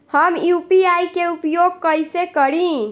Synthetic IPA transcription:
həmjupiajkeupjoɡ̚kəjsekəɾĩ

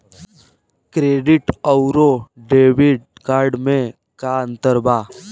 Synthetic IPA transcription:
kɾeːɖɪʈəʊɾoɖeːʋɪɖkaːɾɖmẽ | kaə̃nt̪əɾbaː

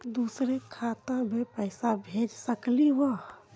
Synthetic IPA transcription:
d̪usɾekʰat̪ãbepəɪsabʱed͡ʒsəkliʋɔ

